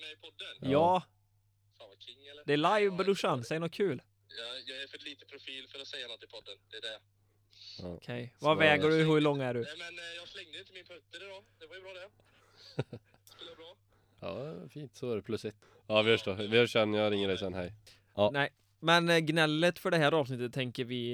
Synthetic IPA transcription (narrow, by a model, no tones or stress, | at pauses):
mɛɪpʰɔd̪ːənjɑː | sakʰɪŋːɛld̪ɛæɭajvbəd̪ɵʂansɛjənɔt̪̚kʰʉ̟ːl | jɑjɑːɡæɾfœɾliːt̪əpʰɾʊfiːlfœɾɔt̪sɛjːanɔt̪ːɪpʰɔd̪ːənd̪ɛːɖɛ | kʰɛjvavɛːɡəɖɵɦʉɭɔŋːæɖɵmɛnjɑslɛŋd̪əɪnt̪ːəmɪnpʰɵŋt̪ːəɾɛd̪ɔd̪ɛvɑjbɾɑːd̪ɛ | slbɾɑː | ɑ̰ːfiːnt̪sɔæɖɛpʰlɵsɪt̪ | ɑːʋɪfœʂʈovɪhɑʂɛnːjɑɾɪŋːəɖ̪ɛɪsɛnhɛ̰j | nɛɪ | mɛnɡnɛlːət̪fœɖɛɦæːɾɑːvsnɪt̪ːət̪ʰːɛŋkəɾvɪ